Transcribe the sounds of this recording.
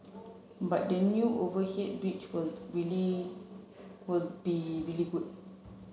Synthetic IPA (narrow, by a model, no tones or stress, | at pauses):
bat̚dɛnjuʔovəhet̚bit͡ʃwilɹili | wilbiɹiliɡud